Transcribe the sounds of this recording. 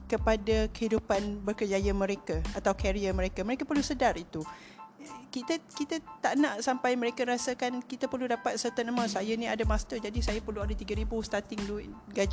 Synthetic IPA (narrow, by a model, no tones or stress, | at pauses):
kəpadakəhidupanbərkərd͡ʒajamə̃ɾekaat̪awkɛɾiamə̃ɾekaməɾekapərlusədarit̪u | kit̪akit̪at̪aʔnãʔsampajməɾekaəɾasakankit̪apərludapat̪̚sət̪at̪nəməsajanĩadamast̪əd͡ʒadisajapərluadat̪iɡaɾibust̪at̪ɪŋduɡad͡ʒ